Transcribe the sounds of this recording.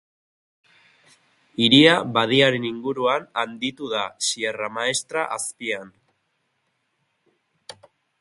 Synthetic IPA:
iɾiaβað̞iaɾe̞niŋɡuɾuanand̪it̪uðasieramae̞st̪ɾaʔaspian

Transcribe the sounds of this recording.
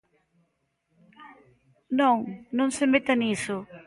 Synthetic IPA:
nõŋnõŋsemet̪anisʊ

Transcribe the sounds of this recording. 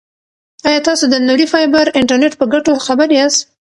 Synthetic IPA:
ɑjɑt̪ɑsod̪ənuɾifɑjbəɾɪɳʈaɾneʈpəɡaʈoxabəɾeas

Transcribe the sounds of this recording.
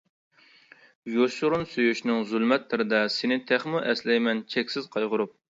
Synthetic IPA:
joʃʊɾunsøjyʃnɪŋzylˠmɛt̪lɪɾɪd̪ɛsɪnɪt̪ʰæχmuʔɛslɛjmɛnt͡ʃʰɛkʲsɪzqʰɑjʁʊɾup̚

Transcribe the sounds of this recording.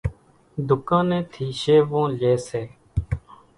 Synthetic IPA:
d̪ʊkãːnẽːt̪ʰiːʃeːʋõːleːseː

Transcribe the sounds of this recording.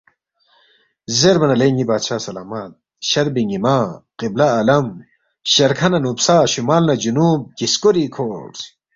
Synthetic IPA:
zeɾbɐnɐleːŋɡibaːd̪ɕaːsɐlaːmat̪̚ | ɕɐɾbiŋɡimaːqiblaːlɐm | ɕɐɾkʰɐnɐnupsaːɕumaːlnɐd͡ʑunuːb̚kiskoɾikʰoːʈ

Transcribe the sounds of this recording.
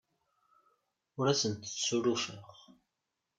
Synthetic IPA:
ʊɾæsənt̪ə̥t͡sːsuɾufəʁ

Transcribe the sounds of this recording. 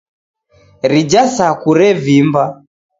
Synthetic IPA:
ɾid͡ʒasakuɾɛvimba

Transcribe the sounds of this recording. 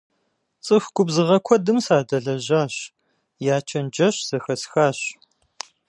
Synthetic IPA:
t͡sʼɨxɡ̥ʷʊbzɨʁɐkʷʰɔdɨmsaːdɐɮɐʑaːɕ | jaːt͡ʃʰɐnd͡ʒɐɕz̥ɐxɐsxaːɕ

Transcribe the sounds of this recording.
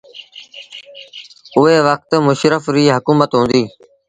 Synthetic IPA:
ʊɦeːʋək̚t̪mʊʃɾəfɾiːɦəkuːmət̪ɦũːnd̪iː

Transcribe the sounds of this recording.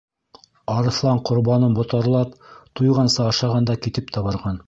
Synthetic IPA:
ɑɾɤ̆θlˠɑɴqŏɾbɑnɤmbŏt̪ɑɾlˠɑpt̪ujʁɑnsɤɑʃɑʁɑnd̪ɑkit̪ɘp̚t̪ʰɑβɤ̆ɾʁɑn

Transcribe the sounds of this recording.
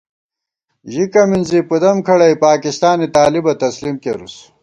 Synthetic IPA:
ʑikɐminzipud̪ɐmkʰɐɽɐjpaːkist̪aːnit̪aːlibɐt̪ɐslimkḛɾus

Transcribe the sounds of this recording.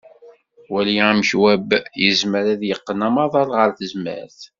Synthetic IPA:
wæljiæmçwæbjəzməɾæðjəqːənæmɑðˤɑlˤʁəɾθəzmə̰ɾθ

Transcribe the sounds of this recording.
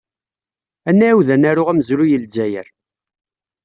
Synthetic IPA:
ænːæwðænæɾʊʁæməzɾujəld͡ʒæjə̰ɾ

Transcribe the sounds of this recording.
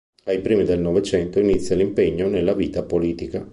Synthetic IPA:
ajpɾiːmid̪elnɔvet͡ʃɛnt̪oinit̪sːjalimpeɲːonelːaviːt̪apoliːt̪ika

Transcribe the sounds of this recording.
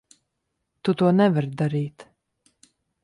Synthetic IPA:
t̪ut̪uɔnɛvaɾd̪aɾiːt̪

